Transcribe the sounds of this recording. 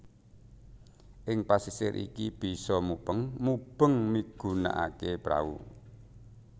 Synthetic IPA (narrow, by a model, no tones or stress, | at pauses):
ʔɪŋpasisɪɾʔḭkib̥i̤sɔmub̥əŋmub̥əŋmiɡ̥ṳna̰ʔakepɾa̰ṵ